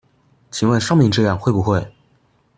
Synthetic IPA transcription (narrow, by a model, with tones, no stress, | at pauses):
t͡ɕʰi˨˩ŋwə˥˩nʂɤ˥ŋmi˧ŋʈ͡ʂɤ˥˧jɑ˥˧ŋxwe˥˩ɪpu˨˩xwe˥˩ɪ